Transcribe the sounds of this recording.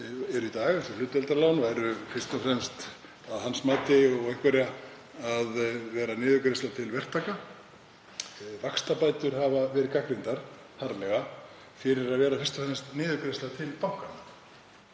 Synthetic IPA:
ɛɾʏit̪aːɣθɛɾ̥lʏːt̪ɛlt̪aɾlaːwnvajɾʏfɪr̥t̪ɔfɾɛmst̪ | aðhansmaːt̪ɪɔɣɛhkvɛɾa | aðvɛːɾanɪːðʏkɾest̪lat̪ʰɪlvɛr̥t̪ʰːaːka | vakst̪apaːjt̪ʏɾ̥havavɛːɾɪkakɾɪnt̪aɾ̥ | haɾlɛɣa | fɪɾɪɾaðvɛːɾafɪr̥st̪ɔfɾɛmst̪nɪːðʏkɾest̪laðt̪ʰɪlpawhkana

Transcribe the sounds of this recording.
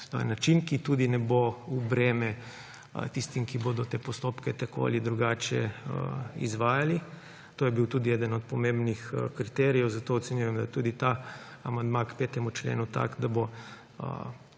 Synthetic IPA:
t̪o̰jɛ̰nat͡ʃinkit̪uːd̪inɛboubɾeːmɛ | t̪ist̪imkibod̪ɔt̪eːpɔst̪oːpkɛt̪ako̰ːa̰lid̪ɾuɡaːt͡ʃɛ̰ | ḭzʋaːjali | t̪oːjɛbiwt̪uːd̪iɛd̪ənɔt̪̚pɔmẽmbnixkɾit̪ɛːɾijɛwzat̪oːɔt̪sɛnjujɛmd̪ajt̪uːd̪it̪aamand̪makpeːt̪ɛmut͡ʃlḛːnut̪a̰kd̪abo̰

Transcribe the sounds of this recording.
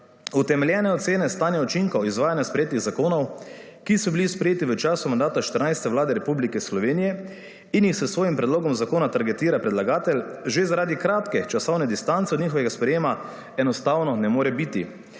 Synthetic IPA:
ut̪ɛmɛljɛnɛɔt̪seːnɛst̪aːnjaɔt͡ʃiŋkaizʋaːjanjaspɾɛjeːt̪niɣzakoːnɔwkisɔbilispɾɛjeːt̪iʋət͡ʃaːsumand̪aːt̪aʃt̪əɾnajst̪ɛʋlaːd̪ɛɾɛpublikɛslɔʋeːnijɛ | injixsɛsʋoːjimpɾɛd̪loːɡɔmzakoːnat̪aɾɡɛt̪iːɾapɾɛd̪laɡaːt̪ɛlʒezaɾaːd̪ikɾaːt̪kɛt͡ʃasɔwnɛd̪ist̪ant̪sɛɔd̪niːxɔʋɛɡaspɾɛjeːma | ɛnɔst̪aːwnɔnɛmoːɾɛbit̪ḭ

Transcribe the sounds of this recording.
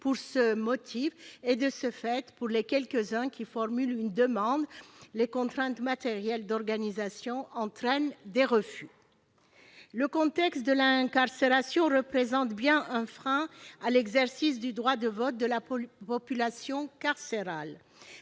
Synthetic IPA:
puʁsəmɔt̪ʰifed̪əsəfɛt̪puʁlekʲɛlkəzɛ̃kʲifɔʁmylynd̪əmɑ̃d̪lekɔ̃t̪χɛ̃t̪mat̪eʁjɛld̪ɔʁɡanizasjɔ̃ʔɑ̃t̪χɛnd̪eʁəfy | ləkɔ̃t̪ɛkst̪̚d̪əlɛ̃ɛ̃kaʁseʁasjɔ̃ʁəpχezɑ̃t̪bjɛ̃ʔɛ̃fχɛ̃alɛɡzɛʁsisd̪yd̪ʁwad̪əvɔt̪̚d̪əlapɔpylasjɔ̃kaʁseʁal

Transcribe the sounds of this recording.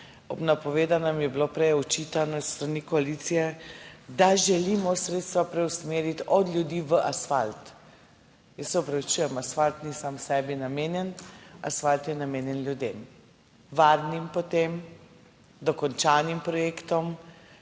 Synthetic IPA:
ɔbnapɔʋeːd̪anamjɛblopɾɛjɔt͡ʃit̪anɔsst̪ɾanikɔalit̪sijɛd̪aʒɛlimɔsɾet̪st̪ʋapɾɛwsmeːɾit̪ɔd̪lʲjud̪iːʋəʔasfalt̪ | jəsːɛɔpɾɛut͡ʃujɛmasfalt̪nisamsɛːbinameːnjɛna̰sfalt̪jɛnameːnjɛnlʲjud̪em | ʋaɾnimpɔt̪em | d̪ɔkɔnt͡ʃanimpɾɔjeːkt̪ɔm

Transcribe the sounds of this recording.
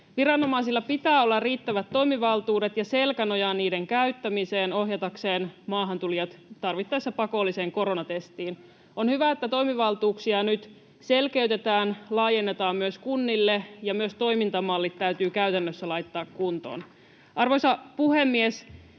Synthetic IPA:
ʋirɑnːo̞mɑisilːɑpit̪æːolːɑrriːt̪ːæʋæt̪ːo̞imiʋɑlt̪uːdet̪jɑse̞lkænojɑnniːdeŋkæyt̪ːæmise̞ːno̞ɦjɑt̪ɑkse̞ːnmɑːɦɑnt̪ulijɑt̪t̪ɑrʋit̪ːɑjsːæpɑko̞lːiseːŋko̞ɾo̞nɑt̪est̪iːn | onhyʋæet̪ːæt̪o̞imiʋɑlt̪uːksiɑnyt̪ | selke̞yt̪e̞t̪æːnlɑːjenːet̪ɑːmmyøskunːilːejɑmyøst̪o̞imint̪ɑmɑlːit̪tæyt̪yːkæyt̪ænːøsːælɑjt̪ːɑːkkunt̪o̰ːn | ʔɑrʋojsɑpuhemːies

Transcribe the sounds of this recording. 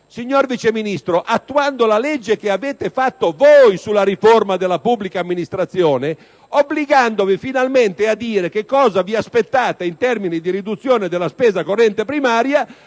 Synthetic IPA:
siɲːorvit͡ʃeminist̪ɾoʔat̪ːuand̪olalɛd͡ʒːekeaveːt̪efat̪ːovojsulːaɾiformad̪elːapubːlikaːmːinist̪ɾat̪sːjoːne | obːliɡand̪ovifinalment̪ead̪ːiːɾekekːɔːzaviaspet̪ːaːt̪eint̪ɛrminid̪iɾid̪ut̪sːjoːned̪elːaspɛːzakorːɛnt̪epɾimaːɾja

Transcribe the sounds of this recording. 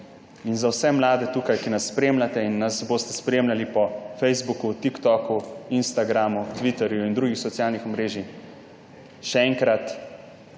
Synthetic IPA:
inzawsɛmlaːd̪ɛt̪uːkajkinasːpɾeːmlat̪ɛinːasboːst̪ɛspɾeːmlʲalipɔfɛjzbukut̪ikt̪ɔkuinst̪aɡɾamut̪ʋit̪ɛɾjuind̪ɾuːɡixsɔt̪sijaːlnixɔmɾeːʒi | ʃɛɛːŋkɾat̪

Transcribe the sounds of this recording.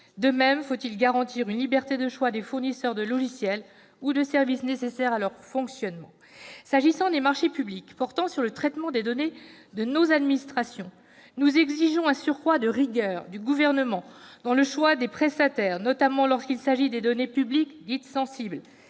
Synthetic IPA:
d̪əmɛmfot̪ilɡaʁɑ̃t̪iʁynlibɛʁt̪ed̪əʃwad̪efuʁnisœʁd̪əlɔʒisjɛl | ud̪əsɛʁvisnesesɛʁalœʁfɔ̃ksjɔnmɑ̃ | saʒisɑ̃d̪emaʁʃepyblikpɔʁt̪ɑ̃syʁlət̪χɛt̪mɑ̃d̪ed̪ɔned̪ənozad̪minist̪χasjɔ̃ | nuzɛɡziʒɔ̃ɛ̃syʁkwad̪əʁiɡœːʁd̪yɡuvɛʁnəmɑ̃d̪̥ɑ̃ləʃwad̪epχɛst̪at̪ɛːʁnɔt̪amɑ̃lɔʁskilsaʒid̪ed̪ɔnepyblikd̪it̪sɑ̃sibl

